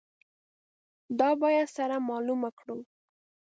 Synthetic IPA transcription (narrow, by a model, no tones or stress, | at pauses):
d̪ɑbɑjad̪saɾamɑlumakɽu